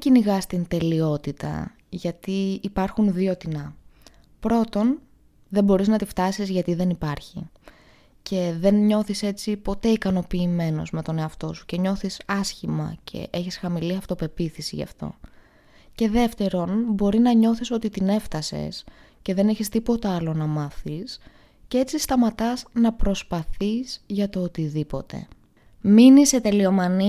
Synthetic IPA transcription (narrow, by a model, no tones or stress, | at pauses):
ciniɣɐst̪int̪e̞lio̞t̪it̪ɐ̰ | ʝɐt̪iːpɐɾxunðio̞t̪inɐ | pɾo̞t̪o̞n | ðe̞bo̞ɾiznɐt̪ift̪ɐsizʝɐt̪iðe̞nipɐɾçḭ | cʰe̞ðe̞nɲo̞θise̞t͡sipo̞t̪e̞ikɐno̞piːme̞no̞̰zme̞t̪o̞ne̞ɐft̪o̞su̥ce̞ɲo̞θisɐsçimɐ̰cʰe̞̰ʔeçisxɐmiliɐft̪o̞pe̞piθisiʝɐ̰ft̪o̞̰ | ce̞ðe̞ft̪e̞ɾo̞nbo̞ɾinɐɲo̞θiso̞t̪it̪ine̞ft̪ɐse̞̰s | ce̞ðe̞neçist̪ipo̞t̪ɐɐlo̞nɐmɐθis | cee̞t͡sist̪ɐmɐt̪ɐsnɐpɾo̞spɐθisʝɐt̪o̞ot̪iðipo̞̰t̪e̞̰ | minise̞t̪e̞lio̞mɐni